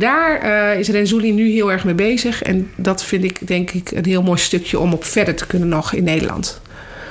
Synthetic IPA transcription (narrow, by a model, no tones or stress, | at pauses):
daːɹɪsrɛnzulinyɦɪːlˠɛɹxmejbejzəxɛ̰ndɑtfɪntɪkdɛŋkɪkʰə̰nɦɪːlˠmoːjstøkʰjəʔɔmɔpfɛɹdəɹtə̥kønənɔxɪnːejdəɹlʔɑ̰nt